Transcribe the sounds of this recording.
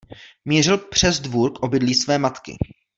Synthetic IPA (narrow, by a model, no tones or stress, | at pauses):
miːr̝ɪlpr̝̥ɛzdvuɾkʔo̞bɪdliːsvɛːmat̪kɪ̰